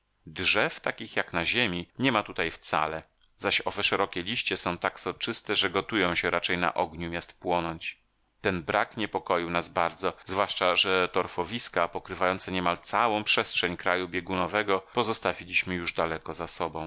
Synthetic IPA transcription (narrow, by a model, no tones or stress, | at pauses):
dʐɛft̪akʲixjaknaʑemʲiɲɛmat̪ut̪ajft̪sa̰lɛ | zaɕɔvɛʂɛɾɔkʲɛlʲiɕt͡ɕɛsɔ̃w̃t̪aksɔt͡ʂɘst̪ɛʐɛɡɔt̪ujɔ̃w̃ɕɛɾat͡ʂɛjna̰ʔɔɡɲumʲjast̪pwɔnɔɲt͡ɕ | t̪ɛnbɾakɲɛpɔkɔjiwnazbaɾd̪zɔzvwaʂt͡ʂaʐɛt̪ɔɾfɔvʲiskapɔkɾɘvajɔnt̪sɛɲɛmalt̪sawɔ̃w̃pʂɛstʂɛɲkɾajubʲjɛɡunɔvɛɡɔpɔzɔst̪avʲilʲiɕmɘjuʐd̪alɛkɔzasɔbɔ̃w̃